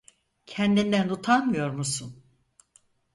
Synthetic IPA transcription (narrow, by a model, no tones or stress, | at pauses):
cʰɛnd̪ind̪ænut̪ʰanmɯjo̞ɾmusun